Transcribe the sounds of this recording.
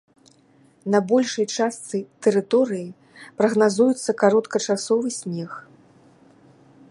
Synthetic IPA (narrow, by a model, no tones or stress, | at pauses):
nɐbɔlʲʂɐjt͡ʂast̪sɨt̪ɛɾɨt̪ɔɾɨji | pɾɐɣnazujut̪sːɐkaɾɔt̪kɐt͡ʂasɔvɨsʲnʲɛx